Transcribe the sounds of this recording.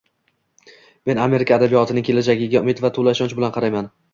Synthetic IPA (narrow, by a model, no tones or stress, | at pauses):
me̞name̞ɾɪkʰaːd̪abijɒt̪ʰɪnɪŋkʲʰe̞lad͡ʒaɡʲɪɡʲaʊmɪt̪vat̪ʰolaɪʃɒnt͡ʃbɪlanqʰɑɾajman